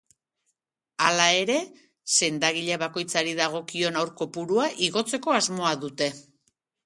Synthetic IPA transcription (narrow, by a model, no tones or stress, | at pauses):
alae̞ɾe̞ | se̞nd̪aɣ̞iʎeβako̞jt͡saɾiðaɣ̞o̞kio̞nawɾko̞puɾuaʔiɣo̞t͡se̞ko̞azmo̞aðut̪e̞